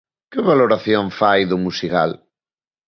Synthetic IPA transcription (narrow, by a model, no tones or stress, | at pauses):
keβaloɾaθjoɱfajðʊmusika̰l